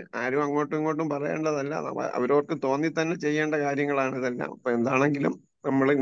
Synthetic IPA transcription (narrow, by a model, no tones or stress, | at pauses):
aːɾumɐŋːo̞ːʈːuŋːo̞ːʈːumpɐrɐjḛːɳɖɐðɐlːɐ̰nɐ̰ɐ̰ʋɐɾo̞ːrkːɨt̪o̞ːnːit̪ɐnːet͡ɕe̞jːe̞ːɳɖɐkaːɾjɐŋːɐɭaːɳiðɐlːɐ̰mɐpːoːe̞nd̪aːɳe̞ŋɡilṵm | nɐmːɐɭ